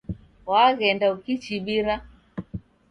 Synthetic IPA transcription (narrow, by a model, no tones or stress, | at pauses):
waɣɛndaukit͡ʃiɓiɾa